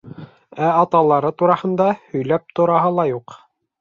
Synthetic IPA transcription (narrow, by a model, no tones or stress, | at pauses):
æɑt̪ɑlˠɑɾɤt̪uɾɑhɤ̆nd̪ɑhɵ̆jlæp̚t̪ŏɾɑɦɤlˠɑjuq